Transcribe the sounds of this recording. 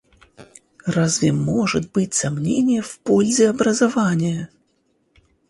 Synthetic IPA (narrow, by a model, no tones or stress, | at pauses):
razvʲɪmɔʐɨt̪̚bɨtʲsamnʲenʲɪjɛfpolʲzʲɪɐbɾɐzavanʲɪjə